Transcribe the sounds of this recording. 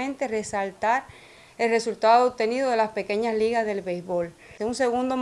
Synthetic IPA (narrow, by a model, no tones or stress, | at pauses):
ẽnt̪e̞re̞salt̪aɾ | e̞lre̞sult̪aðoːp̚t̪e̞niðo̞ðe̞laspe̞ke̞ɲasliɣazðe̞lβejsβo̞l | unse̞ɣund̪o